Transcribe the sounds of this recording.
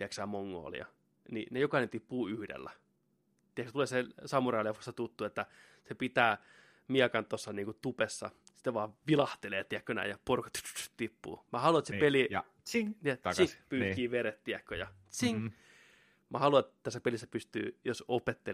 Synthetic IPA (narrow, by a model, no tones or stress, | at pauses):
t̪iæksæːmoŋːo̰ːlḭɑ̰ | ninejokɑinent̪ipːuːyhdḛlːæ | t̪iɛkst̪uleːsesɑmurɑliɑfu̥st̪ːɑt̪ut̪ːuːet̪ːæ | sepit̪æː | miɛkɑnt̪osːɑniːŋkut̪upesːɑ̰ | si̥t̪ːeʋɑːʋilɑht̪eleːt̪iækːønæ̰ijɑporkɑ̥t̪y̥t̪y̥t̪y̥t̪t̪ipːṵːmæhɑluɑet̪sepeli | ŋɑt̪ɑspyːkiːʋeret̪t̪iɛkːøjɑ̰ | siŋ | mʔæhɑluɑet̪t̪æsːæpelisːæpyst̪y̰ːjosopet̪ːe